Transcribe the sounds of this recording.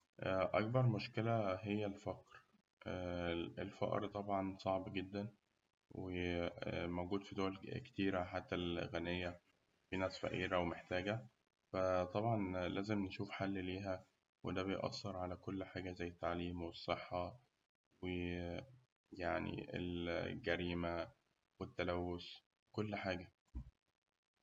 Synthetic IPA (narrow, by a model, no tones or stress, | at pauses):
ʔʔæ̰k̚bɑɾˤmoʃkelæɦejːælfæqɾ | ʔ | elfɑ̰ʔɾt̪ˤɑbʕɑnsˤɑʕbɡed̪ːæn | we | mowɡuːd̪fid̪owælke̥t̪iːɾæħat̪ːælɣænejːæ | finæːsfæ̰ʔiːɾæwemeħt̪æːɡæ | fæt̪ˤɑbʕɑnlʔæːzemneʃuːfħalːliːɦæ | wḛd̪æbejʔɑ̰sːeɾˤʕalækolːħaːɡæzæjːet̪ːaʕliːmwesˤːeħːɑ | we | jaʕnḭʔḛlɡæɾiːmæ | wet̪ːælæwːos | wekolːħaːɡæ